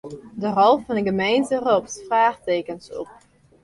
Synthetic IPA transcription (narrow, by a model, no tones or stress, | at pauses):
dərɔlˠfɑnəɡəmɛjnsərɔpsfraːxteːkənsɔ̰p̚